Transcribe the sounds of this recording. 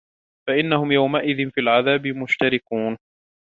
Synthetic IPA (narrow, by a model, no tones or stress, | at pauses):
faʔɪnːahʊmjawmaʔɪðɪnfiːalʕaðaːbɪmʊʃt̪aɾɪkuːn